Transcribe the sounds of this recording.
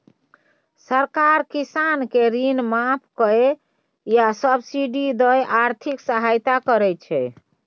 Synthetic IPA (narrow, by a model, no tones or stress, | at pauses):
səɾkaɾkisankeɾinmapʰkəe | jasəbsiɖid̪əjʔaɾt̪ʰiksəɦajt̪akəɾɛt͡ʃʰɛ